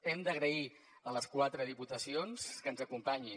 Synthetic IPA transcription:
ɛmd̪əɣɾəi | ələskwat̪ɾəðiput̪əsionskənzəkumpaɲi

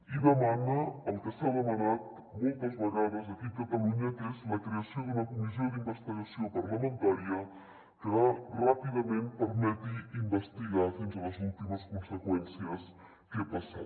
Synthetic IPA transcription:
iβemanɐɐlk̪asaðɐmanat̪̚ | mojt̪ɐzβaɣaðɐzðɐkikat̪ɐluɲɐk̪ezlɐkɾeasjõd̪unɐkumis̬jod̪imbest̪iɣasjopaɾlamẽnt̪aɾjɐ | t̪eɾarapiðɐmẽnt̪̚peɾmet̪iimbest̪iɣaðent̪ɾelɐzult̪imɐskonsekwɛnsjɐs | kepasa̰

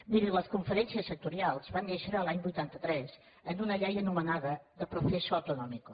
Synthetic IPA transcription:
miɾiləskuɱfəɾɛnsiəsːək̚t̪uɾialˠzβaneʃəɾəːlaɲbujt̪ant̪ət̪ɾɛz | ənunəʎɛjənumənaðəðəpɾusesuət̪unɔmiku

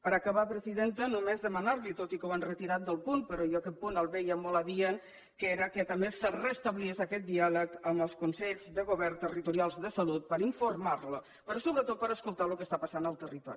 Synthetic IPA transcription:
pəɾəkəβapɾəziðent̪ənumezðəmənaɾlit̪ot̪ikowanrət̪iɾat̪̚d̪əlˠpunpəɾojəkɛt̪̚punəlˠβɛjəmɔləðiəŋ | keɾəkət̪əmbesərəst̪əβlieʃəkɛt̪̚d̪ialəkəmbəlˠskunsɛʎzd̪əɣuβɛrt̪ərit̪uɾialˠzðəsəlut̪̚pəɾiɱfurmaɾlu | pəɾosoβɾət̪ot̪̚pəɾəskulˠt̪alukəst̪apasanəlˠt̪ərit̪ɔ̰ɾii

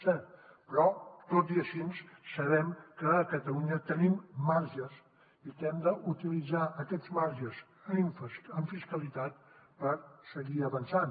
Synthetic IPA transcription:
sɛpɾɔt̪ot̪d̪iəʃinssəβɛmkəːkət̪əluɲət̪ənimːaɾʒəs | ikɛmd̪əʔut̪ilid͡zaʔəkɛzmaɾʒəz | ɱfəɱfiskəlit̪at̪pəɾsəɣiəβənsan

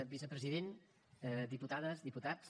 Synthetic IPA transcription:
bisəpɾəziðen | d̪iput̪aðəzðiput̪at͡ss

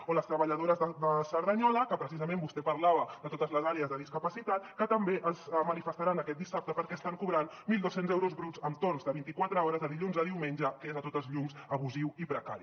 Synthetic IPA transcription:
oləst̪ɾəβəʎəðoɾəzðəd̪əsəɾðəɲɔləkəpɾəsizəmẽmbust̪ɛpɐɾlaβəd̪ət̪ot̪əzləzaɾeəzðəðiskəpəsit̪at̪̚kət̪əmbeʔəlˠzmənifəst̪aɾanəkɛt̪̚d̪isap̚t̪əpəɾkɛst̪aŋkuβɾanmilˠd̪osenzɛwɾuzβɾud͡zəmt̪ornzðəβint̪ikwat̪ɾəɔɾəzðəðiʎunzəðiwmenʲd͡ʒəkezət̪ot̪əzʎumzəβuziwipɾəka̰ɾi

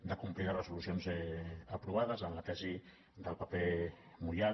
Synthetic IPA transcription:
d̪əkumplikarəsulusionzɛəpɾuβ̞aðəzənlat̪ɛzi | d̪əlˠpəpe | mua

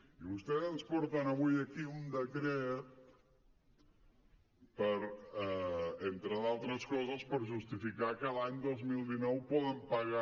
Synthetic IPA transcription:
iβust̪ɛðənspɔɾt̪ənəβujəkiund̪əkɾɛt̪̚ | pəɾɛent̪ɾəðalˠt̪ɾəskɔzəspəɾʒust̪ifikakəlaɲd̪ozmilˠd̪inɔwpɔðəmpəɣa

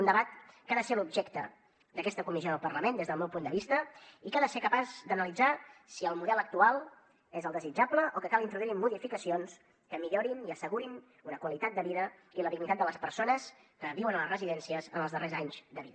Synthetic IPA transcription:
und̪əβat̪̚kaðəselubʒɛkt̪ə̰ | d̪əkɛst̪əkumizioðəlˠpərləmend̪ezðəlˠmɛwpund̪əβist̪əikaðəsekəpazd̪ənəlid͡zasiəlˠmuðɛlək̚t̪ualˠ | ezəlˠd̪əzid͡ʒabləʔokəkalint̪ɾuðuimːuðifikəsions | kəmiʎoɾiniəsəɣuɾin | unəkwəlit̪at̪̚d̪əβiðəiləðiɡnit̪at̪̚d̪ələspəɾsonəskəβiwənələrəziðɛnsiəzənəlˠzðərʔezaɲzd̪əβiðə

